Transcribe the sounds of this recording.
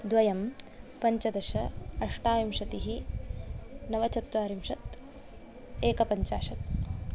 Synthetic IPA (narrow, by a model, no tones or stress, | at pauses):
d̪ʋɐjɐm | pɐɲt͡ʃɐd̪ɐʃɐɐʂʈaːjimʂɐt̪iɦi | nɐʋɐt͡ʃɐt̪ʋaːɾimʂɐt̪ | eːkɐpɐɲt͡ʃaːʃɐt̪̚